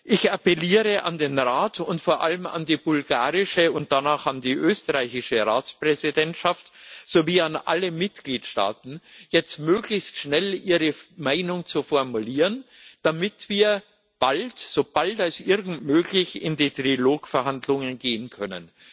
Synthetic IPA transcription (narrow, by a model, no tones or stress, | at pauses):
ʔɪçapɛliːʁəʔa̰ndeːnʁaːtʰʊntfoːɐʔaləma̰ndiːbʊlɡaːʁɪʃəʊnt̚d̥anaːχandiːʔøːstəʁaɪçɪʃəʁaːt͡spʁ̥ɛzidɛntʃaftz̥oːviːanʔa̰ləmɪtɡliːtʃta̰ːtn̩jɛt͡stmøːɡlɪçstʃnɛlʔiːʁəmaɪnʊŋt͡sufɔɐmuliːʁən | d̥amɪtv̥iːɐ | b̥altz̥oːb̥altalsʔɪʁɡn̩tmøːɡlɪçɪ̰ndiːtʁ̥iloːkfɛɐɦandlʊŋənɡeːənkʰœnən